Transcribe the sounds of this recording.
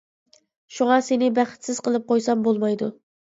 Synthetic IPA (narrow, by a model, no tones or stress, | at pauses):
ʃuŋɑsenɪbæχɪ̥t̪sɪz̥qʰəlˠɨp̚qojsɑmbolˠmɑjd̪u